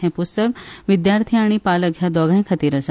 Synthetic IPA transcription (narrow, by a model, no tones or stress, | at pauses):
ẽpʊst̪əkʋɪd̪jaːɾt̪ʰijaːɽ̃ipaːlɐɡʱjad̪ɔːɡãẽkʰɐt̪iɾɐsa